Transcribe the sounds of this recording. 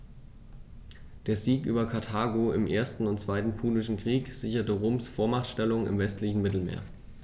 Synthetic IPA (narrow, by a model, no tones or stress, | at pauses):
d̥eːɐziːkʔyːbɐkʰaɐtʰaːɡoɪmʔeːɐstn̩ʊntt͡sv̥aɪtn̩pʰuːlɪʃn̩kʁ̥iːkz̥ɪçɐtəʁoːmsfoːɐmaχtʃtɛlʊŋɪ̰mvɛstlɪçn̩mɪtl̩mḛːɐ